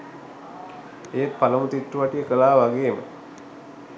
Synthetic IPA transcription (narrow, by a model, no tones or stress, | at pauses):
ejet̪̚paləmut̪iʈːuʋaʈijəkəlaːʋaɡeːmə̰